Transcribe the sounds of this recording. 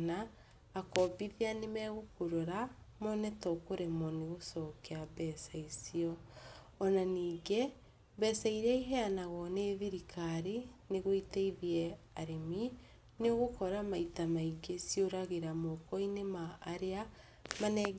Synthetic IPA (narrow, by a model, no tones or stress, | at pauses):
naː | kɔbiðeanemɛɣokoɾoɾamɔnɛtɔkoɾemɔneɣosɔkeabɛsaisiɔ | ɔnaniːɡe | bɛsaiɾɛiɦɛanaɣɔneðiɾikʰaɾineɣoiteiðiɛ | aɾemi | neoɣokɔɾamaitamaiɡesioɾaɣeɾamɔkɔinemaːɾea | manɛ